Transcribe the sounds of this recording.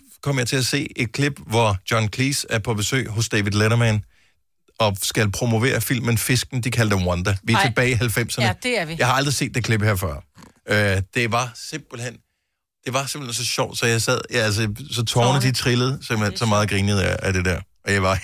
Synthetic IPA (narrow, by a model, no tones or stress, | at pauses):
kʰɒ̽m̰jɑ̈ɪt͡sʰe̝læse̝̰ːe̝d̥̚kʰleb̥ʋɒd̥jɒnkʰliːsæɐpʰɒ̽b̥e̝sø̰ːɦɔ̽sd̥ɛːʋiðˠleɾɐmæn | ɒ̽sɡ̥ælpʰʁo̝mo̝ʋe̝̰ːɐfil̰mənfe̝sɡ̥n̩d̥ikʰæld̥əwɒnd̥ɐʋiæɐe̝b̥ɛːɪiɦælfem̰sɐnəjɑ̈ɪhɑ̈ɑ̈ld̥ʁise̝̰ːd̥e̝kʰle̝b̥hæɐ̰fɶɐ̰ød̥e̝ʋɑ̈se̝m̰b̥l̩hen̰ | d̥e̝ʋɑ̈semb̥l̥hensɒ̽ɕɒʊ̰d̥sɒ̽jɑ̈ɪsɛð̰ˠjælsəsɒ̽t͡sʰɒːnəd̥it͡sʰʁiləð̞̩ˠsem̰b̥l̩hensɒ̽mɑ̈ːð̩ˠɡ̥ʁiːnið̩ˠæd̥e̝d̥æɐ̰ʔɒ̽jɑ̈ɪʋɑ̈